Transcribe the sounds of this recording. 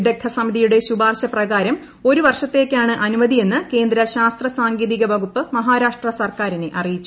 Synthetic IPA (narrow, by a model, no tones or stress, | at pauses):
d̪e̞kʰːɐsɐmiðijuɽe̞ɕubaːrɕɐprɐɣaːɾɐm | o̞ɾuʋɐrʂɐt̪ːe̞ːkʲːaːɳɨʔɐnumɐd̪ðije̞nːɨke̞ːnd̪ɾɐɕaːst̪rɐsaːŋɡeːðiɣɐʋɐɣupːɨmɐɦaːɾaːʂʈrɐsɐrkaːɾineʔɐrijit͡ɕːu